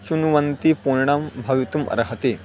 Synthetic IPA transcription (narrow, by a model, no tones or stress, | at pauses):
t͡ɕunuʋɐnt̪ipuɾɳambʱɐʋit̪umʔɐ̰ɾɦɐt̪e